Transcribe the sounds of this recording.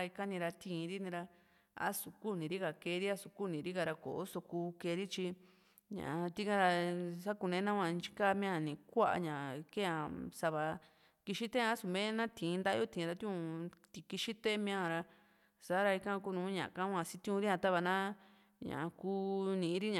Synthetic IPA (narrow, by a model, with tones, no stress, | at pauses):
i˧ka˦nĩ˧ɾa˧t̪ʰĩ˧˨˧ɾi˦nĩ˧ɾa˧ | a̰˦su˨ku˦˨nĩ˨˧ɾi˦ka˧˨ke˧˦˧ɾi˦a˦su˧ku˦˨nĩ˨˧ɾi˦ka˧ɾa˧ko̰˨ʔo˦so˧kuː˧ke˧ɾi˦t͡ʃi˧ | ɲã̰˨˧t̪i˦kã˦ɾa˧sa˦ku˧nẽ˧˦nã˦˧ã˧nt͡ʃi̥˦ka˦mĩ˦ã˦˧˨nĩ˨kʷa˦ʔa̰˧ɲã˨ke˦ã˨sa˧βa˧ | ki˧ʃi˦t̪e˦˧a˦su˧mẽ˦nã˦t̪ĩ˨˧nd̪a˦o˦t̪ĩ˨˧ɾa˧t̪ĩ˦ũ˧t̪i˧˨ki˧ʃi˦t̪e˦mĩ˦ã˦˧˨ɾa˧ | sa˨˦ɾa˧i˧kã˧ku˦˧nũː˨˦ɲã̰˨ʔkã˦˧ã˧si˦t̪ĩ˦ũ˧ɾi˦ɲã˧t̪a˦βa˧nã˦ | ɲã̰˨˧kuː˦nĩ˧˨˧ɾi˦ɲã˨